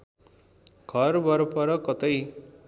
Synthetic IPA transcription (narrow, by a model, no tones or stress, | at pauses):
ɡʱʌrbʌɾpʌɾʌkʌt̪ʌj